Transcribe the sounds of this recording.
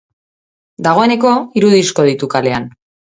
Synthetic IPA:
d̪aɣ̞o̞e̞ne̞ko̞iɾuðisko̞ð̞it̪ukale̞an

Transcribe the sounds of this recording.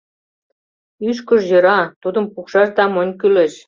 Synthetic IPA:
yʃ̬kəʃjɤ̆ɾɑt̪ud̪ə̆mpukʃɑʃt̪ɑmɤnʲkylĕʃ

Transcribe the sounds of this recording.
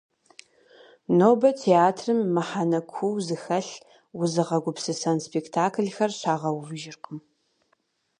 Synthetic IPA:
noːbɐtʰeaːtʰrɨmːɐħanɐkʷʰuwzɨxɐɬ | wʊzɨʁɐɡʷʊpsɨsɐnspʰektʰaːkʰɮxɐrɕaːʁɐwvɨʒɪrqəm

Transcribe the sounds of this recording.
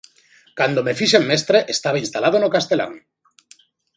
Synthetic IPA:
kand̪omefiʃemːest̪ɾeʔest̪aβainst̪alaðonokast̪ela̰ŋ

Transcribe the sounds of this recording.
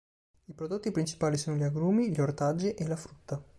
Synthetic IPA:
ipɾod̪ot̪ːipɾint͡ʃi̥paːlisoːnoʎaɡɾuːmiʎort̪ad͡ʒːiʔelafɾut̪ːa

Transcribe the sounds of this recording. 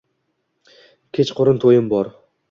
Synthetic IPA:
kʲʰet͡ʃqʰʊɾɨnt̪ʰojɪmbɒɾ

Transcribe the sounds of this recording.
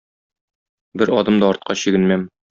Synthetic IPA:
bɘɾɒd̪ɤmd̪ɒːɾt̪̚qɑɕiɡɘ̆nmæm

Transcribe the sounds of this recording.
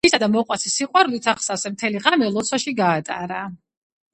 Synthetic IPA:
isad̪amɔqʼwat̪sʰisiqʼwaɾulit̪ʰaχsasɛmt̪ʰɛliʁamɛlˠɔt̪sʰwaʃiɡaːt̪ʼa̰ɾa

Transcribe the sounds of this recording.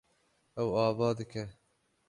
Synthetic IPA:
ɛwɑːvɑːd̪ɨkɛ

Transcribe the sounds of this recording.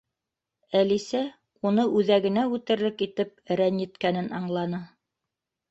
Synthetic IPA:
ælisæ | unɤʔʉðæɡɘ̆næʉt̪ɘ̆ɾlɘkit̪ɘp̚ɘ̆ɾænjɘ̆t̪kænɘnɑɴlˠɑnɤ

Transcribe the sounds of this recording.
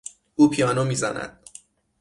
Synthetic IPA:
uːpʰijɒːnomiːzænæ̰d̪̥̚

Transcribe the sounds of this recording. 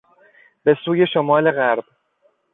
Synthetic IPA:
b̥e̞suːje̞ʃomɒːle̞ɣæɾb̥

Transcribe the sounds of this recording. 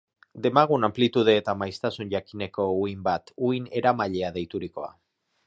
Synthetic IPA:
d̪e̞maɣ̞unamplit̪uð̞e̞ːt̪amajst̪asunʝakine̞ko̞uimbat̪uine̞ɾamaʎe̞aðe̞jt̪uɾiko̞̰a̰

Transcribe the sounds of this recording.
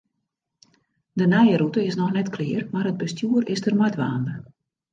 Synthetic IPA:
dənɛjəɾutəɪsnɔxnɛtklɪərmarəd̚bəstjuːərɪsdərmɔjtʋaːndəx

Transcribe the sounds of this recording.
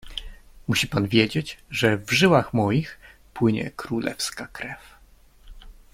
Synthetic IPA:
muɕipanvʲjed͡ʑed͡ʑʐɛvʐɘwaxmɔjix | pwɘɲɛ̰kɾulʔɛ̰fskakɾɛf

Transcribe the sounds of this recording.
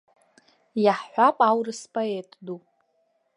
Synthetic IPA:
jaħħʷapʼawrɨspʼoetʼdupʼ

